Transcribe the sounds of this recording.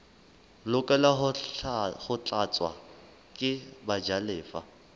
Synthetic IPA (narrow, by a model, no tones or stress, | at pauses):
lʊkʼɛla | χʊt͡ɬʼat͡sʼwa̰ | kʼɪbad͡ʒalɪːfa̰